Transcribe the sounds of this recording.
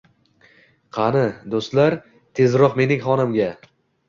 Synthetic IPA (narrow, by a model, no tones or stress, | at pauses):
qʰɑnɪd̪ost̪laɾ | t̪ʰe̞zɾɒqme̞nɪŋχɒnɪmɡʲa